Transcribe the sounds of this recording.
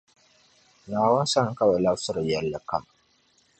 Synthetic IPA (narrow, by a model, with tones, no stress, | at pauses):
naː˨wɐ˦n˦sa˦ŋ˨ka˦wa˨la˦sʊ˦ɾa˨ja˨lːa˨kɐ˦m